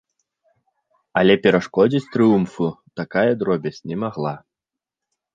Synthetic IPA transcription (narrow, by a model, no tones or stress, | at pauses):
ɐlʲɛpʲɛɾaʂkɔd͡zʲit͡sʲt̪ɾɨjumfut̪akajɐd̪ɾɔbʲɛt͡sʲnʲɛmaɣlˠa